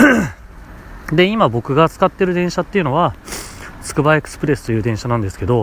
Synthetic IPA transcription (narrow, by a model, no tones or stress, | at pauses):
d̪e̞imabo̞kɯ̟ɡat͡sɨ̥kat̪ːe̞ɾɯ̟d̪ẽ̞ɰ̃ɕat̪ːe̞iɯ̟no̞βa | sɨ̥kɯ̟baekɯ̟̥sɨ̥pɯɾe̞sɨ̥t̪o̞jɯ̟ːd̪ẽ̞ɰ̃ɕanãnd̪e̞sɨ̥ke̞d̪o̞